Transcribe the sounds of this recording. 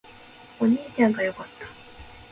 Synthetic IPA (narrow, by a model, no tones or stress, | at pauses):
o̞ɲ̟iːt͡ɕãŋɡajo̞kat̪ːḁ